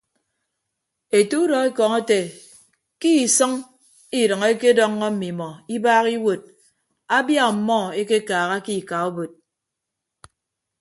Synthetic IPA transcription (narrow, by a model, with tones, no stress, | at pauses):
e˨tu˦u˦dɔ˨e˦kɔ˨ŋe˦te˨ | ki˦i˨sʌ˦ŋ | i˨ɾʌ˨ŋe˦ke˦dɔ˦ŋːɔ˦m̩˦mi˨mɔ˨i˦baː˦ɣi˦wo˨t̚ | a˦bja˦˨m̩˨mɔ˦˨e˦ke˦kaː˨ɣa˦ki˦˨ka˨o˦bo˨t̚